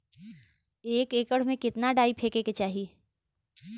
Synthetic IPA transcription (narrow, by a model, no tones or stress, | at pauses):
eːkeːkəɽ̤mẽkɪt̪naɖaːipʰeːkeket͡ʃaːɦie